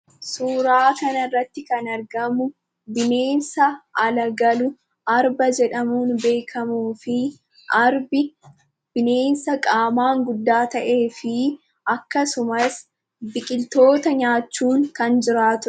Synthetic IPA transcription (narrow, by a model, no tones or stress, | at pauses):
suːɾaːkɐnɐɪrːɐt̪ːɪkɐnɐɾɡɐmʊ | bɪne̞ːnsɐʔɐlɐɡɐlʊ | ɐɾbɐd͡ʒɛᶑɐmuːnbe̞ːkʰɐmuːfɪ | ʔɐɾbɪ | b̥ɪne̞ːnsɐkʼaːmaːŋɡʊd̪ːaːt̪ɐʔe̞ːfɪ | ʔɐkːɐsʊmɐs | bɪkʼɪlt̪o̞ːt̪ɐɲaːt͡ʃːuːŋkɐnd͡ʒɪɾaːt̪ʊ